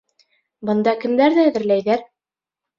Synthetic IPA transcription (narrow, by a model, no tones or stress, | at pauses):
bɤ̆nd̪ɑkɘ̆md̪æɾðæːðɘ̆ɾlæjðæɾ